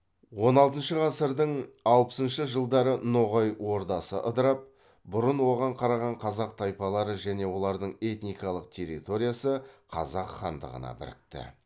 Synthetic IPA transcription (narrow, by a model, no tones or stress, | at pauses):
wo̞nɑlˠt̪ənʃəʁɑsəɾd̪əɴɑwpə̥sənʃəʒəlˠd̪ɑɾənoʁojwo̞ɾd̪ɑsə̰ʔəd̪əɾɑp̚ | bʊɾənwo̞ʁɑɴqʰɑɾɑʁɑɴqʰɑzɑq̚t̪ʰɑjpɑlˠɑɾəʒæne̞wo̞lˠɑɾd̪əɴe̞t̪nijkɑlˠəq̚t̪ʰe̞ɾːḭt̪o̞ɾijasəqʰɑ̰zɑqχɑ̰nd̪ə̰ʁə̰nɑ̰bɪ̰ɾɪ̰k̚t̪ɪ̰